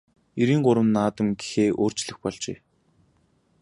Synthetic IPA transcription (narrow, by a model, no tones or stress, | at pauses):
eɾiːŋɢʊɾə̆mnːaːt̪ə̆mɡi̥xeːʔoːr̥t͡ɕɮɘ̆xpɔɮt͡ɕeː